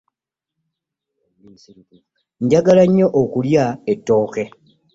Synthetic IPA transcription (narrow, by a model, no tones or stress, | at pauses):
ɲɟaɡalaɲːo̞ʔokuljaetːo̞ːke̞